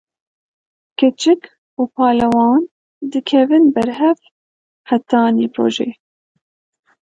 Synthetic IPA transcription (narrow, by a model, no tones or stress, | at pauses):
kɨt͡ʃɨk | uːpʰɑːlɛwɑːn | d̪ɨkʰɛvɨnbɛɾɦɛv | hæt̪ɑːniːpʰɾo̰ːʒḛː